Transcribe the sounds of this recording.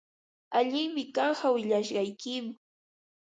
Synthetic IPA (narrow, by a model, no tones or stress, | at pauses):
aʎɪŋmɪkaɑɴɢawɪʎaʃɢɑjkɪma